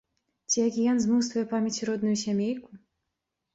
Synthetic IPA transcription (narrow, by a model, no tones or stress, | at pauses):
t͡sʲijakʲijanzmuwsvujɛpamʲjat͡sʲɾɔd̪nujusʲamʲejʲku